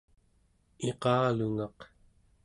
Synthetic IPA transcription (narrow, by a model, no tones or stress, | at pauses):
eqɑːluŋɑq